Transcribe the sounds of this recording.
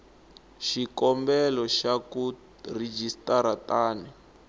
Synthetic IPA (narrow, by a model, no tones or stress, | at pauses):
ʃikɔmbɛlɔʃaku | red͡ʒistaɾataːnɛ